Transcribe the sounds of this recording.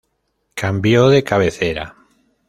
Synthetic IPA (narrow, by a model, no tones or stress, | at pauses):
kʰambjoðekaβeθeɾa̰